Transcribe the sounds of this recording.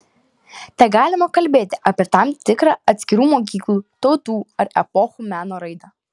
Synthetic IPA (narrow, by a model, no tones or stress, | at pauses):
t̪ʲɛɡɑːlʲɪmɐkɐlʲbʲeːt̪ʲɪʔɐpʲeɛt̪ɐmt̪ʲɪkɾɑɐt̪ʲsʲkʲɪɾuːmoːk̬ʲiːklˠuːt̪ɒʊt̪uːɐɾɛ̰pɔxuːmʲæːnoːɾɐɪd̪ɐ